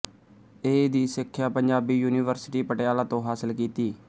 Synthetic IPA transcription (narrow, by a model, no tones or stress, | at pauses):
eːd̪iːsɪkʰːjaːpəɲd͡ʒaːbiːjuːniːʋəɾsɪʈiːpəʈjaːlaːt̪õːɦaːsəlkiːt̪iː